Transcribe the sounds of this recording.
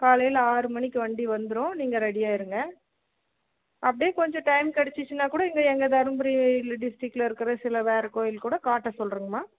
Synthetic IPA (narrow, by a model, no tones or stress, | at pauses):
kaːlɐjɪlaːɾɯmɐɳɪkːɯʋɐɳɖiʋɐnd̪ɯɾõniːŋɡɐɾɛɽɪjaːɪɾɯŋɡɐ | ʔɐpːɐɽɪjeːkɔɲd͡ʒɔ̃ʈɐɪmkɐɽɛt͡ʃːɯt͡ʃːɯnːaːkuːɽɐɛŋɡɐɛŋɡɐd̪ɐɾɯmbɐɾilɖɪsʈɪkːlɐɪɾɯkːɯɾɐsɪlɐʋeːɾɐkoːjɪlkuːɽɐkaːʈːɐsɔlɾɯːŋɡɐmaː